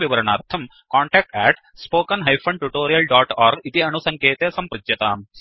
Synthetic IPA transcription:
ʋiʋɐɾɐɳaːɾt̪ʰɐm | kaːɳʈɛːk̚ʈɛːʈ | spoːkɐnɦɐjpʰɐɳɖʈuʈoːɾijɐlɖaːʈaːɾɡit̪iɐnusɐŋkeːt̪eːsɐmpɾɐd͡ʒ̪jɐt̪aːm

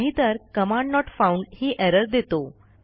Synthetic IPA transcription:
ɦit̪əɾkəmãɳɖnɔʈfauɳɖhiːʔɛɾəɾd̪et̪o

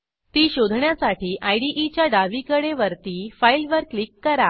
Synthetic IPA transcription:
t̪iːɕod̪ʱɳjasaʈiːʔajɖiʔit͡ɕjaɖaʋikəɽeʋəɾt̪iːfailʋəɾklikːəɾa

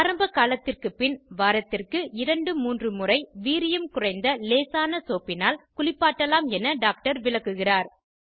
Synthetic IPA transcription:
ɐɾɐmbɐkaːlɐt̪ːɪrkɯpɪnʋaːɾɐt̪ːɪrkɯɪɾɐɳɖɯmuːndrɯmʊrɐɪʋiːɾɪjɐmkʊrɐɪnd̪ɐleːsaːnɐsoːpːɪnaːlkʊɭɪpːaːʈːɐlaːmɛnɐɖaːk̚ʈɐɾʋɪɭɐkːɯɣɪraːɾ

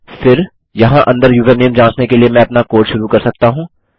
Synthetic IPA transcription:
fɪɾ | jɐɦãʔɐ̃nd̪əɾjuːʋeneːmd͡ʒãːt͡ʃnekeliemɛ̃ɐpnakoːʈʃʊɾukɐɾsɐk̚t̪aɦũː

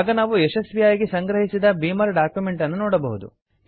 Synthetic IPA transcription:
ɡɐnaːʋuɛʃɐsbijaːjɡesɐŋɡɾɐɦisid̪ɐbiːmɐɾɖaːkjume̞ɳʈɐnːunɔːɽɐbɐɦud̪ṵ

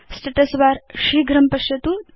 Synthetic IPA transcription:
sʈɐʈɐsʋaɾʃiɡɾɐmpɐʃjɐt̪u

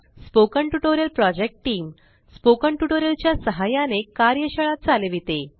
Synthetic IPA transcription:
spokəɳʈuʈoɾijəlpɾɔd͡ʑek̚ʈʈiːm | spokəɳʈuʈoɾjəlt͡ɕjasəɦajanekaɾjəɕəɭat̪̚t͡salʋit̪e

